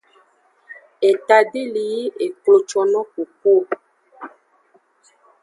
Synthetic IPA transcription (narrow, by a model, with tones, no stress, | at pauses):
e˨ta˨de˦li˨ji˦ʔe˨ko˨t͡ʃɔ˨nɔ˦ko˨ko˦˨